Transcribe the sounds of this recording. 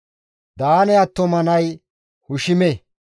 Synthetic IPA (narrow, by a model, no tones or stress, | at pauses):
d̪aːnɛɐt̪ːɔmɐnɐj | hʊʃɪmɛ